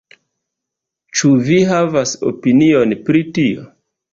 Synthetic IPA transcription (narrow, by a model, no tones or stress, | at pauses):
t͡ʃuviɦavaso̰pinio̞npɾitio̞̰